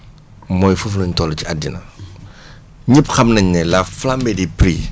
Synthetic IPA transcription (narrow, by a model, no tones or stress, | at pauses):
mɔjfufluɲtɔlt͡ʃiadḭnɐ | ɲipxɐmnɐɲnɛlafflambɛdipɾiː